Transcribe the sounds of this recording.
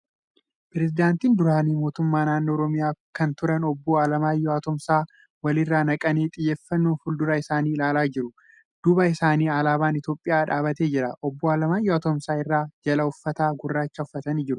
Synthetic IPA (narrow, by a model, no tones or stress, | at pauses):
pɪɾɛzɪd̪aːnt̪iːnd̪ʊɾaːniːmo̞ːt̪ʊmːaːnaːnːoːɾɔmɪjaːkɐnt̪ʊɾɐnɔbːoːalɐmaːjːɔɐt̪ɔmsaː | wɐlɪrːaːnɐkʼɐneːt̪ʼɪjːe̞ːfːɐnːoːfʊld̪ʊɾɐɪsaːniːɪlaːlaːd͡ʒɪɾʊ | d̪̥ʊbɐɪsaːniːɐlaːbaːnɪt̪jo̞ːpʼːɪjaːᶑaːbɐt̪eːd͡ʒɪɾɐʔɔbːoːaːlɐmaːjɔɐt̪ɔmsaːɪrːaːd͡ʒɐlɐʊfːɐt̪aːɡʊrːaːt͡ʃːɐʊfːɐt̪ɐniːd͡ʒɪɾʊ